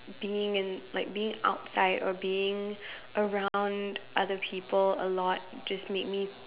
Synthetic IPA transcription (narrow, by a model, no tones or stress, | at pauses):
b̥iɪ̃ŋɨ̃nlaɪk̚b̥iɪ̃ŋa̰ʊtsaɪɾə̰biɪ̃ŋʔəɹãʊ̃ndʔʌðəpʰipəlˠə̰lɔt̚d͡ʒ̥ʌsmeɪk̚mi